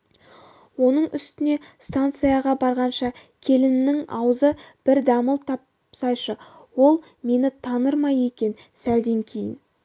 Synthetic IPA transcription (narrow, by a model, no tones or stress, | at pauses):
wo̞nəɴʔʏst̪ɪne̞st̪ant̪sɨjɑʁɑbɑɾʁɑnʃɑkʲʰe̞lɪmnɪŋɑ̰wəzəb̥ɪɾd̪ɑməlˠt̪ʰɑp | sɑjʃəwo̞lˠ | me̞nɪt̪ʰɑnəɾmɑje̞kʲe̞n | sæld̪e̞ŋkʲʰe̞jɪn